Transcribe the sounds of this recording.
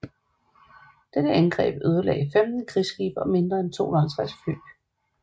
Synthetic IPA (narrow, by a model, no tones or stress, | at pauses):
d̥ed̥əænɡ̥ʁɛ̰ːb̥øð̞ˠɐlɛ̰ːɪfemd̥n̩kʰʁisɡ̥iːb̥ɐme̝nd̥ʁɐent͡sʰo̝̰ːnhɒlsʁasfø̰ː